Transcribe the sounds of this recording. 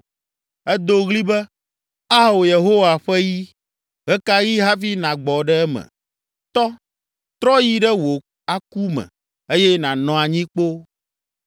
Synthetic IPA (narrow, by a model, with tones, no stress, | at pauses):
ɛ˦d̪o˨ɣli˦bɛ˦ | a˦wo˨je˨ɦo˦wa˨ɸɛ˦ji˦ | ɣɛ˦ka˦ji˦ɦa˦fi˦nã˨ɡ͡bɔ˨ɖɛ˦ɛ˦mɛ̰̃˨ | t̪ɔ˦ | t̪ɾɔ˦ji˦ɖɛ˦wo˨ | a˦ku˦mɛ̰̃˨ | e˦jɛ˦nã˨nɔ̃˨a˨ɲĩ˦k͡po˦